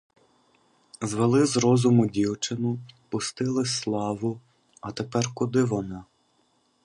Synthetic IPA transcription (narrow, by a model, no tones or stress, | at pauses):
zʋelˠɪzɾɔzʊmʊdʲiwt͡ʃɪnʊpʊst̪ɪlˠɪsslˠɑʋʊ | ɐt̪epɛrkʊd̪ɪʋɔnɑ